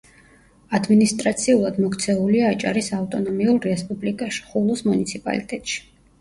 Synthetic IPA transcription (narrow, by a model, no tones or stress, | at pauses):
ad̪minist̪ʼɾat̪sʰiulˠad̪mɔkt̪sʰɛuliaːt͡ʃʼa̰ɾisavt̪ʼɔnɔmiulˠɾɛspʼublikʼaʃi̥χulˠusmunit̪sʰipʼa̰lit̪ʼɛt̪ʼʃi̥